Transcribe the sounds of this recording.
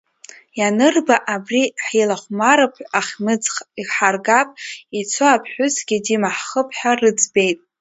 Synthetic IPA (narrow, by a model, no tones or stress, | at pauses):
janɨrbaʔabriħilaχʷmaɾɨpʰaχʲnɨd͡ziħarɡapʼit͡sʰoapʰħʷᶣʊzɡʲidimaħχəpʰħarɨd͡zbe̞jtʼ